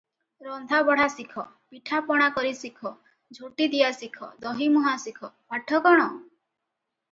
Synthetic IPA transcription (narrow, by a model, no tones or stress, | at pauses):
ɾɔnd̪ʱabɔɽ̤asikʰɔ | piʈʰapɔɽ̃akɔɾisikʰɔ | d͡ʒʱuʈid̪ijasikʰɔ̰d̪ɔɦimɔɦasikʰɔpaʈʰːɔkɔɽ̃ɔ